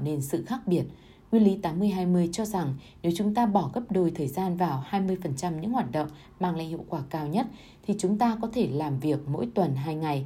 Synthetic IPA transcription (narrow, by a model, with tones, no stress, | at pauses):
ne˧nsɨ̰˧˨xaː˦˥k̚ɓi˧˩ət̚ | ŋwi˧ənli˨˦t̪aː˨˦mːɨ˧əjɦaː˧jmɨ˧əjt͡ɕɔ˧za˨˩ŋ | ne˨˦wt͡ɕʊ˨˦ŋ͡mt̪aː˧ɓɔ˧˩ɣə˦˥p̚ɗo˨˩jt̪ʰəː˨˩jzaː˧nvaː˨˩whaː˧jmɨ˧əjfə˨˩nt͡ɕa˧mɲɨ̰˧˥ŋhwaː˨˩t̚ɗə̰˧˨wŋ͡m | maː˧ŋla̰˧˨hḭ˧˨ə˨wkwaː˧˩kaː˧wɲə˦˥t̚ | t̪ʰi˨˩t͡ɕʊ˨˦ŋ͡mt̪aː˧kɔ˨˦t̪ʰe˧˩laː˨˩mvi˨˩ək̚mo̰˧˥jt̪wə˨˩nɦaː˧jŋa˨˩j